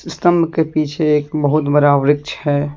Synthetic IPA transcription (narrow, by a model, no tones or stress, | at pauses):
ɪst̪əmbʱkepiːt͡ʃʰeeːkbəɦʊt̪bəɾaːʋɾɪk̚t͡ʃʰɦɛː